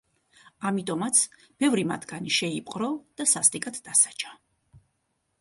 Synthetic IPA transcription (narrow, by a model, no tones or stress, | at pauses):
amit̪ʼɔmat̪sʰ | b̥ɛvɾima̰t̪ʰɡaniʃɛipʼqʼɾɔd̪̥asast̪ʼikʼat̪ʰd̪asḁt͡ʃʰḁ